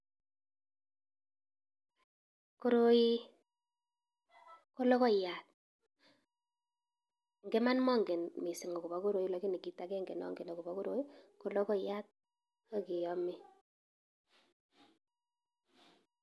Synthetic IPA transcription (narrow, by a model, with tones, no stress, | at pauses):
ko˦ɾo˦ji˦ | ko˦lo˦kɔ˦ja˨t̚ | ŋɡe˦ma˦nmɔ˦ŋɡe˨nmi˨sɪ˨ŋo˨ku˨ba˦ku˦ɾo˨ji˦lɔ˨˦ki˦ni˨ki˨˦ta˨kɛ˦ŋɡe˨nɔ̰˦ŋɡe˨no˨ku˨ba˦ku˦ɾo˦i˦ko˨lo˦kɔ˦˨ja˦t̚ | o˦ki˨jɔ˦mi˦